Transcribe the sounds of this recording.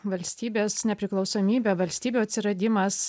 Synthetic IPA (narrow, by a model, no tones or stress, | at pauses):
ʋɐlʲsʲt̪ʲiːbʲeːsnʲɛpʲɾʲɪklˠɒʊsoːmʲiːbʲɛʋɐlʲsʲt̪ʲiːbʲuɐt̪ʲsʲɪɾɐd̪ʲɪmɐs